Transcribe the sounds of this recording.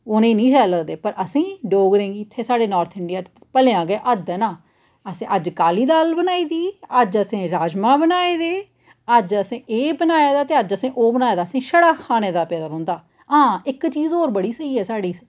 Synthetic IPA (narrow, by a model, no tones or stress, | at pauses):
oːnẽːnĩːt͡ʃɛːləːd̪eːpəɾəsĩːɖoːɡɾẽːŋɡiːɪt̪ʰːeːsaːɖeːnɔːɾt̪ʰɪɳɖijaːt͡ʃt̪pəleãːɡeːʔəd̪ɛːnaː | əsĩːʔəd͡ʒkaːliːd̪aːlbənaːiːd̪iːəd͡ʒəsẽːɾaːd͡ʒmãːbənaːeːd̪eː | əd͡ʒəsẽːʔeːbənaːjaːd̪aːt̪eːəd͡ʒəsĩːʔoːbənaːjaːd̪aːəsĩːʃəɽaːkʰaːneːd̪aːpɛːd̪aːɦõːnd̪aː | ɦãːɪkt͡ʃiːzoːɾbəɽiːsəiːɛːsaːɽiːs